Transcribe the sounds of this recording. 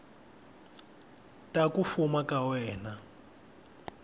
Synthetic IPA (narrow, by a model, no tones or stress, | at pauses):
takufumakawɛːna